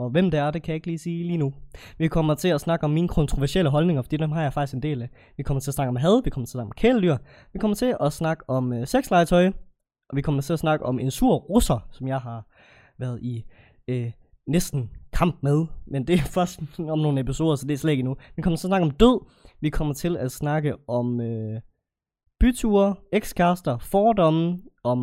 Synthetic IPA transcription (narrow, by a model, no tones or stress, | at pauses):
ɒ̽ʋem̰d̥eæɐd̥e̝kʰæjɑ̈e̝ɡ̥liːsiːliːnuʋikʰɒ̽mɐt͡sʰe̝æsnɑ̈ɡ̥əɒ̽mːiːnəkʰɔ̽nt͡sʰʁo̝ʋæɐɕel̰əɦɒ̽lne̝ŋɐfd̥ḭːd̥emɦɑ̈jɑɪfɑ̈ɡ̥isɡ̥ende̝̰ːlæ | ʋikʰɒmɐt͡sʰe̝ɐsnɑɡ̥əɒmɦɛð̞ˠʋikʰɒmɐt͡sʰe̝snɑɡ̥mkʰeːlədyɐ | ʋikʰɒ̽m̰ɐt͡sʰe̝ʔɒsnɑ̈ɡ̥əɒ̽møseɡ̥slɑ̈ɪt͡sʰɒɪ | ɒʋikʰɒ̽mɐt͡sʰe̝æɐsnɑ̈ɡ̥əʔɒ̽me̝nsuɐ̰ʁosɐsɒ̽mjɑ̈ɪɦɑ̈ | ʋæːɐð̩ˠi | nesd̥n̩kʰɑ̈m̰b̥̚með̞ˠmend̥e̝æfɶɐsd̥ɒ̽mno̝ːn̩episo̝̰ːðˠɐsɒ̽d̥e̝æɐslɛ̰ːd̥inuʋikʰɒ̽m̰ɐt͡sʰe̝ɐsnɑ̈ɡ̥əɒ̽md̥øð̰ˠʋikʰɒ̽m̰ɐt͡sʰe̝læ̥snɑ̈ɡ̥əɒ̽mø | b̥yt͡sʰuɐeɡ̥skʰæsd̥ɐfɒːd̥ɒ̽mɒ̽